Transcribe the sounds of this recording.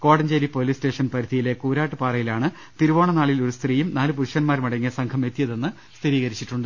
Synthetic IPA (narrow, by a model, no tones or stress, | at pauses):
ko̞ːɽɐɲd͡ʑeɾipoːliːsʈe̞ːʂɐnpɐɾud̪ʱijile̞kuːɾaːʈːɨpaːrɐjilaːɳɨ | t̪iɾuʋo̞ːɳɐnaːɭiloɾust̪riːjumnaːlɨp̬uɾʂɐnmaːɾumɐɽɐŋːiɐsɐŋkʰɐme̞t̪ːijɐðe̞nːɨ | st̪ʰiɾiːɣɐɾit͡ɕːiʈːuɳɖɨ